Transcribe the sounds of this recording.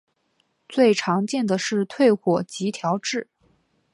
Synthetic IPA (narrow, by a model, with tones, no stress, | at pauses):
t͡swe˥˩ɪʈ͡ʂʰɑ˧˥ŋt͡ɕjɛ˥˩nd̪ə˩ʂɻ̩˥˧t̪ʰwe˥˩ɪxwɔ˨˩t͡ɕi˧˥t̪ʰjɑ˧˥ʊʈ͡ʂɻ̩˥˩